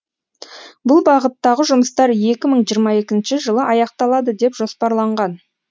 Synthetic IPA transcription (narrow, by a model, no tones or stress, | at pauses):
bʊlˠbɑʁət̪ːɑʁəʒʊməst̪ɑɾje̞kʲɪməɴʒijəɾmɑe̞kʲɪnʃɪʒəlˠəʔɑjɑq̚t̪ɑlˠɑd̪əd̪e̞pʒ̥o̞spɑɾlˠɑɴʁɑn